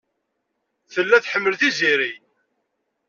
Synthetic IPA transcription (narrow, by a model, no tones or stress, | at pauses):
θəlːæθħəmːəlθiziɾi